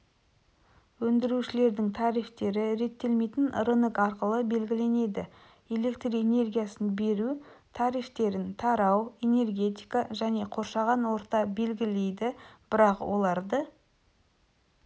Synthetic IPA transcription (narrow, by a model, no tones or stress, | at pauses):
wɵnd̪ɪɾuʃɪle̞ɾd̪ɪŋt̪ʰɑɾijft̪e̞ɾɪɾe̞t̪ːe̞lme̞jt̪ɪnrənəkɑɾqəlˠəbe̞lɡʲɪle̞ne̞d̪ɪ | e̞le̞kt̪riene̞rɡʲijasənbe̞ɾut̪ʰɑɾijft̪e̞ɾɪnt̪ʰɑɾɑwe̞ne̞rɡʲe̞t̪ijkaʒæne̞qʰo̞ɾʃɑʁɑnwo̞ɾt̪ɑbe̞lɡʲɪle̞jd̪ɪb̥ɪɾɑqwo̞lˠɑɾd̪ə